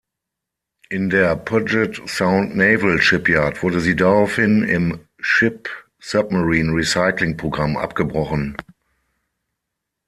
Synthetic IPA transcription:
ʔɪndeːɐpʰad͡ʒɛtsãʊ̃ntneɪvəlʃɪpjaːɐtv̥ʊɐdəziːdaʁaʊfhɪnɪm | ʃɪp | sap̚maʁiːnʁisaɪklɪŋpʁ̥oɡʁamʔa̰pɡ̥əbʁɔχən

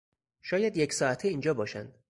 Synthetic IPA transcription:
ʃɒːjæd̪jecʰsɒːæt̪ʰeiːnd͡ʒɒːbɒːʃæ̰nd̪̥

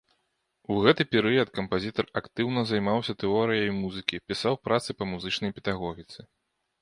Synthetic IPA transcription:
uɣɛt̪ɨpʲɛɾɨjɐt̪kɐmpazʲit̪ɐrakt̪ɨwnɐzajmawsʲɐt̪ɛɔɾɨjɐjmuzɨkʲipʲisawpɾat̪sɨpɐmuzɨt͡ʂnɐjpʲɛd̪aɣɔɣʲit̪sɨ

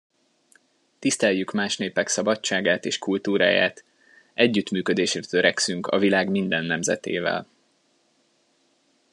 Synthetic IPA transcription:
t̪ist̪ɛjykmaːʃneːpɛksɒbɒt͡ʃːaːɡaːt̪eːʃkult̪uːɾa̰ːja̰ːt̪ | ʔɛɟːyt̪myːkød̪eːʃrɛt̪øɾɛksyŋkʰɒ̰vilaːɡmind̪ɛnːɛmzɛ̰t̪ḛːvɛ̰l

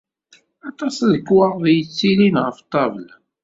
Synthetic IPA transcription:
ɑt̪ˤɑsðəkːwəʁðjət͡sːilinʁəft̪ˤːɑvəl

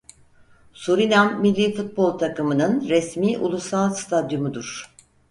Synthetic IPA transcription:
suɾinamːilʲːiːfut̪̚bo̞lˠt̪ʰakɯmɯnɯnɾɛsmiːʔulˠusalˠst̪ʰad̪jumud̪uɾ̥

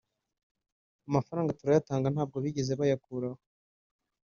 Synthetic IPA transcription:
amafaɾaːŋɡatuɾajataːŋɡan̥aːb̚ɡo̞βiɟe̞zeβajakuɾaho

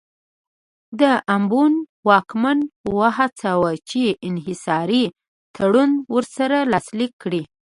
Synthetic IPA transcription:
d̪əʔambunwɑkmanwaɦat͡sawat͡ʃeɪnɦɪsɑɾi | t̪ʰaɽunwəɾsaɾalɑslikːɽi

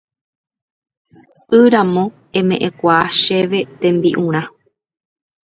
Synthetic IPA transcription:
ɨɾãmõ̞ | ẽ̞mẽ̞ʔẽkʷaːʃe̞ʋe̞t̪ẽ̞mbiʔũɾ̃ã

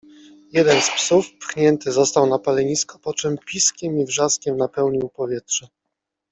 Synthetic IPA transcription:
jɛd̪ɛnspsufpxɲɛnt̪ɘzɔst̪awnapalɛɲiskɔ̥pɔt͡ʂɛmpʲiskʲɛmivʐaskʲɛmnapɛwɲiwpɔvʲjɛtʂɛ

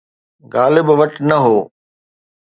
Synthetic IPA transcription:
ɣaːlɪbʋɐʈnɐɦoː

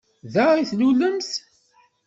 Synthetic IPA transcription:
ðæʁiθluləmθ

